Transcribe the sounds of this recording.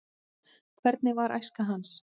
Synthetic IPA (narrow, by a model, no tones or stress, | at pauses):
kʰvɛɾt̪̚nɪvaɾʔa̰jskaɦans